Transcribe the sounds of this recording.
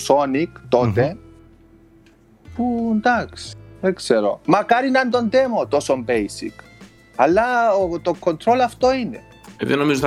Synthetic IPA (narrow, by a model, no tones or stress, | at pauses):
so̞nikt̪o̞t̪e̞ | pund̪aksekseɾo̞̰mɐkɐɾinɐnt̪o̞nd̪emot̪osombejsḭk | ɐlːɐot̪okːo̞nt̪ɾo̞lɐft̪oinḛ | ðenomizo